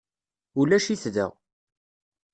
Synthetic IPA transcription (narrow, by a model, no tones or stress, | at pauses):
ulæʃiθðə̰ʁ